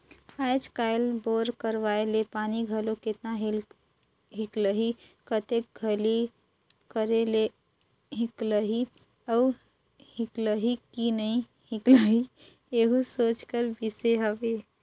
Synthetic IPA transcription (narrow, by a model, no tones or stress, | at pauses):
ajd͡ʒkajlboɾkəɾʋaelepaniɡʱəloket̪naɦel | ɦikləɦi | kət̪ek̚ɡʱəli | kəɾele | ɦikləɦi | əu | hikləɦikinəi | hikləɦi | eɦusot͡ʃkəɾbiseɦəbe